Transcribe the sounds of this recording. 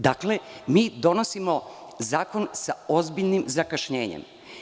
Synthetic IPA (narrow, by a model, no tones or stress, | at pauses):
d̪aklemiːd̪o̞nosimo̞ | zaːko̞nsao̞zbiʎnimzakaʃɲeːɲḛm